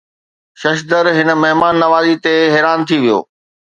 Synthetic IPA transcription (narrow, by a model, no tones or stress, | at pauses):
ʃɐʃ̬d̪əɾɦɪnə̆mɐɦmaːnːɐʋaːzit̪eɦɛːɾaːnt̪ʰiʋijo̰ː